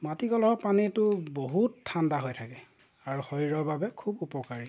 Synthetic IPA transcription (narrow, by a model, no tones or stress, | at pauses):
matiɡɔlɔɦɔpanitʊboɦutʰːandaɦojtʰakɛ | aɹuhɔjɹɔbabɛkʰubupɔkaɹi